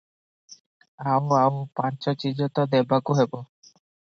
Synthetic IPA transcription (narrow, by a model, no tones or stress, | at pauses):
awawpant͡ʃɔt͡ɕid͡ʑɔt̪ɔd̪ɛbakuɦebɔ